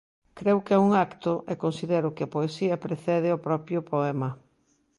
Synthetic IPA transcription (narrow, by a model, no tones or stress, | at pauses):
kɾewkɪauŋakt̪ʊʔekonsiðɛɾʊkɪɐpoesiɐpɾeθɛðɪopɾɔpjʊpoɛmɐ